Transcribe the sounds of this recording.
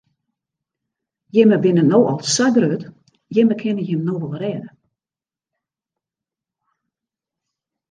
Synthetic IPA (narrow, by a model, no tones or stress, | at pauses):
jɪməbɪnənoːʔɔlˠssaɡrøːt | jɪməkʰɪnəjɪmnoːʋolˠrɛːdə